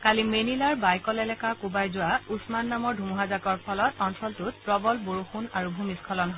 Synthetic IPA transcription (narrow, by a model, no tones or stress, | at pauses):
kalimenilaɹbajkɔlɛlɛkakubajzʊwausmanːamɔɹdʱumuɦazakɔɹpʰɔlɔtɔnsʰɔltutpɹɔbɔlboɹuxunaɹubʱumiskʰɔlɔnɦɔ